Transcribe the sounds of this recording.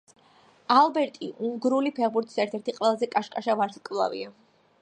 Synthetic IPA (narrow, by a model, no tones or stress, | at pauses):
alˠbɛɾt̪ʼiʔuŋɡɾulipʰɛʁbuɾt̪ʰi̥sɛɾt̪ʰɛɾt̪ʰiqʼwɛlˠazɛkʼaʃkʼaʃavaɾskʼvlˠa̰vḭa